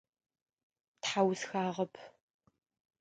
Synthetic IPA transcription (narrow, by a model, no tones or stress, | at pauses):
tħawsxaːʁɐpʰ